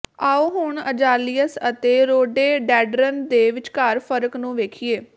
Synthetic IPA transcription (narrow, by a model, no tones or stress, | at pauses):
aːuːɦʊɳəd͡ʒaːliːəsət̪eːɾoːɖeːɖɛːɖɾənd̪eːʋɪt͡ʃkaːɾpʰəɾəknũːʋeːkʰieː